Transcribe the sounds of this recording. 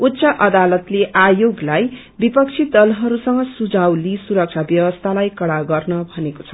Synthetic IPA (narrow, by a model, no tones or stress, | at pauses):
ut̪ːsʌʔʌd̪alʌt̪leʔajoɡlaj | bipʌk̚t͡sʰid̪ʌlɦʌɾusʌŋʌsud͡zawlisuɾʌk̚t͡ʃʰabjʌwʌst̪ʰalajkʌɽaɡʌrnʌbʱʌnekot͡sʰʌ